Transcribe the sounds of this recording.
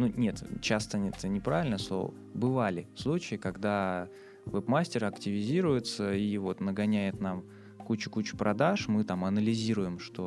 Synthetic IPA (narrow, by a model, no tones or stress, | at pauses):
nunʲet̪t͡ɕast̪əɛt̪ənʲɪpɾavʲɪlʲnəslˠo̰və̰ | bɨvalʲɪfslˠut͡ɕɪɪkɐɡd̪a | vɛpmasʲtʲɪɾɐktʲɪvʲɪzʲiɾʊjɪt̪səivo̞t̪nəɡɐnʲæjɪt̪nam | kut͡ɕʊ̥kut͡ɕʊ̥pɾʔɐd̪aʂmɨt̪amɐnəlʲɪzʲiɾʊjɪmʂt̪o̞